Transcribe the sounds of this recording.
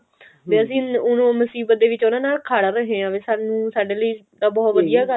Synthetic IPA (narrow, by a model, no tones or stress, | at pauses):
beːəsĩːʊnõːməsiːbət̪̚d̪eːʋɪt͡ʃʊnãːnaːlkʰaːɽaːɾəɦẽːãːʋeːsaːnũːsaːɖeːləiː | d̪aːbɔːt̪ʋəd̪ijaːɡə